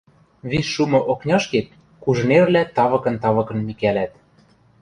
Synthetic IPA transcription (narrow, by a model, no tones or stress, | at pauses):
βisːumɤ̆ʔoknʲɑʃket̪̚ | kuʒ̆neβlæt̪ɑβɤ̆kɤ̆nt̪ɑβɤ̆kɤ̆nmikælæt̪